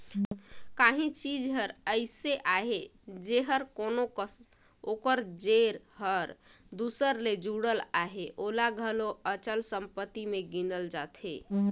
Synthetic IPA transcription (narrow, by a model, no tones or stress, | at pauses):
kaɦĩt͡ʃid͡ʒɦəɾəɪseʔaɦed͡ʒeɦəɾkonokəs | okəɾd͡ʒeɾ | ɦəɾd̪usəɾled͡ʒuɽəlaɦeʔolaɡʱəloət͡ʃəlsəmpət̪ːimeɡinəld͡ʒat̪ʰḛ